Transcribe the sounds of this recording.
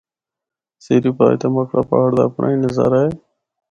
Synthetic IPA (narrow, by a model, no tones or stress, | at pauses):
seːɾiːpaːḭt̪aːməkʰɽaːpa̰ːəɽd̪a̰ːəpɳʔa̰ːĩːnəza̰ːɾaːɦeː